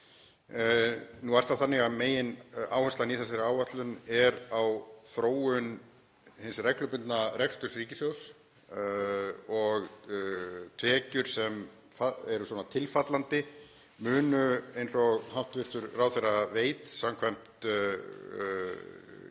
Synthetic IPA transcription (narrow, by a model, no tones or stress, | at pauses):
nuaɾ̥t̪θaθanːɪɣaðmeːjɪnaːwhɛnst̪aniθɛsaɾaːwvat̪lʏnɛɾawθɾoːwʏn | hɪnsrɛklʏpɪnt̪narɛkst̪ʏrsriːcɪsjows | ɔɣ | t̪ʰvɛːcʏɾ̥sɛm | faɛɾʏswɔnat̪ʰɪlfat̪lant̪ɪ | mʏːnʏejnsɔɣhaw̥t̪vɪɾ̥t̪ʏɾraːwθejraveːjt̪samkʰvajm̥t̪